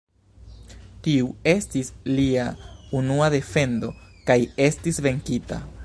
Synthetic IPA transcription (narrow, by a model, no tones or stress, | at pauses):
tiue̞stisliaunuade̞fe̞ndo̞kaje̞stisve̞ŋkita̰